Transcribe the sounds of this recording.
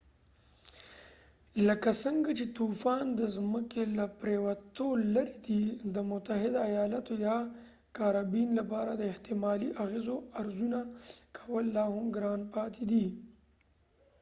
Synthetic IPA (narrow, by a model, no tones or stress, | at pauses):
ləkasəŋɡat͡ʃet̪ufɑnd̪əzməkelapɾewat̪olaɾid̪id̪əmʊt̪aɦɪd̪aːjɑːlat̪ojɑ | kaɾɑbinlapɑɾad̪əɪht̪ɪmɑliʔaɣezoaɾzunakʰawəlːɑhʊmɡɾɑnpɑt̪ʰed̪i